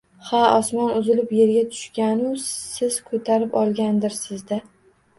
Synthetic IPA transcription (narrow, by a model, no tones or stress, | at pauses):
haɒsmɒnʊzɪlɪpjeɾɡʲat̪ʰʊ̥ʃkʲanɪsɪz̥kʰɵt̪ʰaɾɪpɒlˠɡʲand̪ɪɾsɪzd̪a